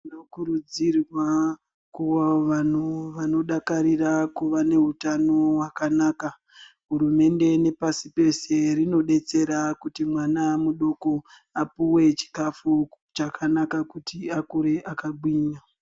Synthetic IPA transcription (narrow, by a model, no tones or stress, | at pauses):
nokuɾud͡zirwa | kuwaʋan̤uʋano̞ɗakaɾirakuʋane̞ɦutano̞wakanaːka | ɦuɾume̞nde̞ne̞pasipe̞se̞rino̞ɗe̞t͡se̞ɾakutimwanamuɗo̞ko̞ | apuwe̞t͡ʃi̥kafu | t͡ʃakʰanakakutiakuɾe̞ʔakaɡ͡bwiːɲa